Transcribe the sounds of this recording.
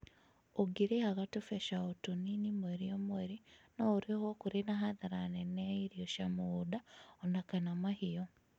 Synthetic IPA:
oɡiɾehaɣatufeʃaotoninimweɾijomweɾinouɾihokuɾenaɦaðaɾaneneiɾjoʃamudaonakanamahijo

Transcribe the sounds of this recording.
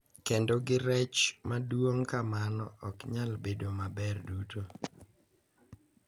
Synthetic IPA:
kendoɡɪɾɛt͡ʃmadwoŋkamanɔɔkɲalbedomabɛrduto

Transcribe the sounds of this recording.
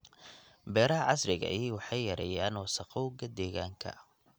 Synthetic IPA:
bɛːɾɐɦɐʕɑsrɪɣɐ̰ʔiwɑħɑjːɐɾɛ̰jaːnwɑsɐqɔwɡɐd̪ɛːɣaːŋkʰɐ̰

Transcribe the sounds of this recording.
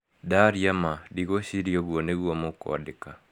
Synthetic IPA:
daɾjamadiɣoɕiɾjɔɣwɔneɣwɔmokɔ̰deka

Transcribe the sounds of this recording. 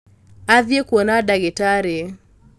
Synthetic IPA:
aðjekwɔnadaɣɛtaɾe

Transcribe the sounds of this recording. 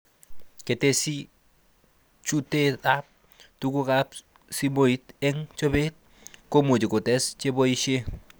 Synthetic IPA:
ketesi | t͡ʃutetap̚ | tukukap | simoitɛŋt͡ʃobet̚ | komut͡ʃikʊtɛst͡ʃeboiʃe

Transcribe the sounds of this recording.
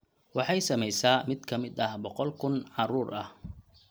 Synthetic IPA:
wɑħɑjsɐmɛjsaːmɪd̪kʰɐmɪd̪ɐhbɔqɔlkʰʊnʕɑruːrʔɐh

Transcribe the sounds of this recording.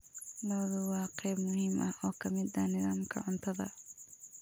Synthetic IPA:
lɐðʊwɑːqʰɛjbmʊɦɪmʔɐhʔɔːkʰɐmɪd̪ɐnɪðaːmkʰɐ̰ʕʊnt̪ʰɐðɐ̰

